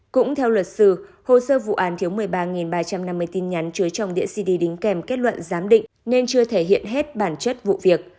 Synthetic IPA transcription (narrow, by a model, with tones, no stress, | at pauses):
kʊ̰˧˥ŋ͡mt̪ʰɛ˧wlwə˨˩t̚sɨ˧˩ | ho˧˩səː˧vṵ˧˨ʔaː˨˦nt̪ʰi˨˦əwmɨ˨˩əjɓaː˧ŋi˨˩nɓaː˧t͡ɕa˧mna˧mːɨ˧əjt̪i˧nɲa˨˦nt͡ɕɨ˨˦jt͡ɕɔ˧wŋ͡mɗḭ˧˨əsi˧ɗi˧ɗï˨˦ŋ̟kɛ˧˩mke˦˥t̚lwə̰˧˨nzaː˨˦mɗḭ̈˧˨ŋ̟ne˧nt͡ɕɨ˧ət̪ʰe˧˩ɦḭ˧˨ənɦe˦˥t̚ɓaː˧˩nt͡ɕə˦˥t̚vṵ˧˨vi˨˩ək̚